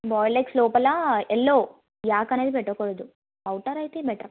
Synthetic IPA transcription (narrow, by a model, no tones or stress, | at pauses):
bɔːjlekslɔːpɐlaelːoː | jaːkɐneːd̪ipɛʈːɐkoɽɐd̪u | ɐwʈɐɾɐjt̪eːbɛʈːɐ